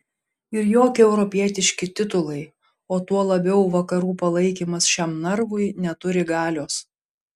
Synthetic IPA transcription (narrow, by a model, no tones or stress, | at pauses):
ɪɾjoːkʲɪɛʊɾɔpʲiɛt̪ʲɪʃʲkʲɪt̪ʲɪt̪ʊlˠɐɪ | oːt̪uɔlˠɐbʲɛʊʋɐkɐɾuːpɐlˠɐɪkʲiːmɐsʃʲɛmnɐɾʋʊɪnʲɛt̪ʊɾʲɪɡɑːlʲoːs